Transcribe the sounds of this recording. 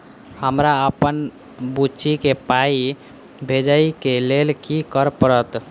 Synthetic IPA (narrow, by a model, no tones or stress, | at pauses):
həmɾaəpən | but͡ʃʰikepai | bʱed͡ʒəikelelkikəɾpəɾət̪